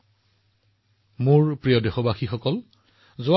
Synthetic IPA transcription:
muɹpɹijɔdexɔbaxixɔkɔl | zʊa

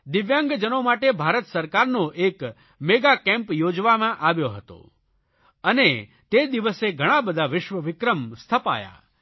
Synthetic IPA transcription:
d̪ɪʋjãŋɡd͡ʒənomaʈebʱaɾət̪səɾkaɾnoʔek | meɡakɛ̃mpjod͡ʒʋamãʔaʋjoɦət̪o̰ | əne | t̪ed̪iʋəseɡʱəɽ̃ãbəd̪ʱaʋɪʃʋəʋɪkɾəmst̪ʰəpa̰ja̰

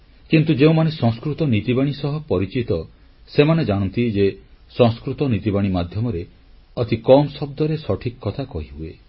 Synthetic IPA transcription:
kint̪ud͡ʒeũmanesɔ̃ŋskɾut̪ɔnit̪ibaɽ̃isɔɦɔpɔɾit͡ʃit̪ɔ | semaned͡ʒaɽ̃ɔnt̪id͡ʒesɔ̃ŋskɾut̪ɔnit̪ibaɽ̃imad̪ʱjɔmɔɾe | ɔt̪ikɔmsɔb̚d̪ɔɾesɔʈʰikɔkːɔt̪ʰakɔɦiɦue

